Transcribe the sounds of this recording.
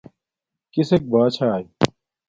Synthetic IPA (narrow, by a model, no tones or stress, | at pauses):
kisek̚baːt͡ɕʰaːj